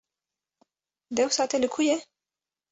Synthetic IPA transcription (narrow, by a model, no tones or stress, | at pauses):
d̪ewsɑt̪eləkʰuje